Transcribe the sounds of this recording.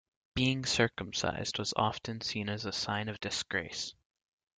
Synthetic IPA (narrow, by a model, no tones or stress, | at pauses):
b̥iɪ̃ŋsɜ˞km̩sa̰ɪz̥d̚wʌzɑ̰ftɨ̃nsĩnɨzɨsãɪ̃nʌvdɨsɡ̥ɹeɪs